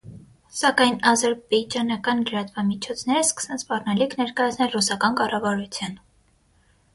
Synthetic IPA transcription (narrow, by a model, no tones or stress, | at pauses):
sɑkɑjnɑzɛɾbɛd͡ʒɑnɑkɑnləɾɑt̪vɑmit͡ʃʰɔt͡sʰn̪ɛɾəskə̥sɛnspɑrnɑlikʰnɛɾkɑjɑt͡sʰnɛlrusɑkɑnkɑrɑvɑɾut͡sʰjɑn